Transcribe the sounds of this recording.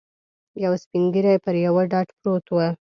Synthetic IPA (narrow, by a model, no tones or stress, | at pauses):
jawspiŋɡiɾajpəɾjawaɖɑʈpɾot̪wə